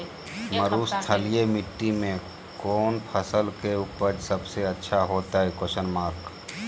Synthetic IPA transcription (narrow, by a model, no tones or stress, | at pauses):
məɾuːst̪ʰəlijemɪʈːimẽ | koːnpʰəsəlkeupəɾsəbseətːʃʰaɦoːt̪aɦɛkosənmaːɾk